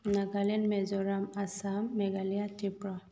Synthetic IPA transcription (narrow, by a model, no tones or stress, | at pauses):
naɡalinmɛzɔɾamasamːɛɡalijat̪ipɾɔ